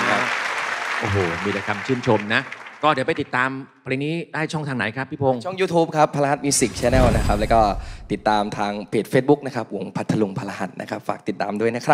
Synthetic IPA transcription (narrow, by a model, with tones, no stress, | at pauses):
kʰa˦˥ | ʔoː˨˩ɦoː˨˩miː˧t̪ɛ˨˩kʰa˧mt͡ɕʰɯː˥˩mt͡ɕʰo˧mna˦˥ʔkɔː˥˩ɾi˨˩˦pa˧jt̪i˨˩t̪ːaː˧mpʰːɾe˧niː˦˥daː˥˩jt͡ɕʰɔ˥˩ŋt̪ʰaː˧ŋna̰˩˦jkʰɾa˦˥pʰːiː˥˩pʰo˧ŋt͡ɕʰɔ˥˩ŋjuː˧t̪ʰuː˦˥p̚kʰɾa˦˥pʰːa˧la˧ha˧˦˩t̪̚miː˧si˨˩k̚t͡ɕʰɛː˧nɛː˥˩wna˦˥kʰa˦˥p̚lɛ˦˥kɔː˥˩t̪i˨˩t̪ːaː˧mt̪ʰaː˧ŋpʰeː˨˩t̪̚feː˦˥t̪̚bu˦˥k̚na˦˥kʰɾa˦˥p̚wu˨˩˦ŋpʰa˦˥t̪ʰːa˧lu˧ŋpʰa˧la˧ɦa˦˥t̪̚nʔa˦˥kʰa˦˥p̚fa̰ː˨˩k̚t̪i˨˩t̪ːaː˧mdu˥˩əjna˦˥kʰɾa˦˥p̚